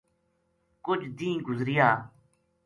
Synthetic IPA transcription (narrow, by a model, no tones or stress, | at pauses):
kʊd͡ʒd̪ĩːɡʊzɾɪjaː